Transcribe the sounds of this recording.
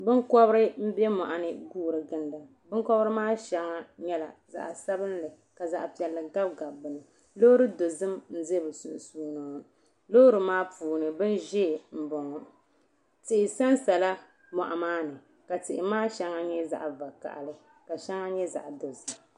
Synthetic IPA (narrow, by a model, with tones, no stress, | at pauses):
bɨ˦ŋkɔ˦bɾɨ˦m̩˦bɛ˦mɔ˨ʔa˨nɨ˨ɡuː˦˨ɾɨ˨ɡɨ˦nda˨ | bɨ˦ŋkɔ˦bɨ˦ɾɨ˦maː˦ʃɛ˨ŋa˦ɲɛ˦la˨za̰˨ʔa˨sa˦bɨ˦n˦lɨ˨ | ka˨za̰˨ʔpi˨ɛ˨lːɨ˨ɡa˦b̚ɡa˨bɨ˨lɨ˨ | lo˦ɾɨ˦do˨zɨ˦mn̩˦ze˦bɨ˨su˨su˦nɔː˨ | lo˦ɾɨ˨maː˦puː˨nɨ˨bɨ˦nʒɛ˦˨m̩˨bɔ˨ŋɔ˨ | tɪ˨ʔɪ˨sa˦nsa˨la˦ | mɔ̰˨ʔa˨maː˦nɨ˨ | ka˨tɪ˨ʔɪ˨maː˦ʃɛ˦ŋa˦ɲɛ˦za̰˨ʔva˨ka̰˨ʔa̰˨lɨ˨ | ka˨ʃɛ˦ŋa˦ɲɛ˦za̰˨ʔdo˨zɨ˨m